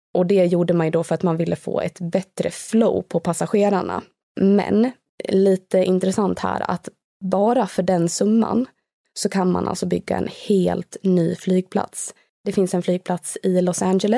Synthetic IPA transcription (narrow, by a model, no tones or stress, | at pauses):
ʔɔd̪ɛjuːɖəmanjd̪ɔfœɾat̪manvɪlːʔəfo̰ːɛ̰t̪bɛt̪ɾəfloʊpʰɔpʰasaɧeːɾaɳa̰ | mɛ̰n | liːt̪əʔɪnt̪ɾɛsant̪hæ̰ːɾa̰t̪ | bɑːɾafœɖɛnsɵmːa̰n | sɔkʰanma̰nʔa̰ltsɔbʏɡːa̰ɛ̰nheːlt̪nyːflyːɡ̚pʰla̰t̪s | d̪̥ɛfɪnsɛnflyːɡ̚pʰlat̪sɪlɔsand͡ʒɛlə